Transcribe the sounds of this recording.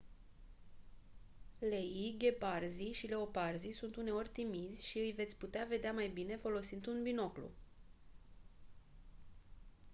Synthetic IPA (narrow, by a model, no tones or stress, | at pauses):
le̞jiɡʲe̞parziʃile̞o̞parzisunt̪une̞o̞rʲt̪imizʲʃiɨjve̞t̪sʲput̪eave̞d̪eamajbine̞fo̞lo̞sind̪unbino̞klṵ